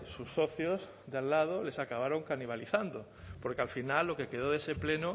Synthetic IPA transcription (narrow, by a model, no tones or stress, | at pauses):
susːoθjoz | d̪alːað̞olesakaβ̞aɾoŋkaniβ̞aliθand̪o | poɾkealfinalːokekeð̞oðesepleno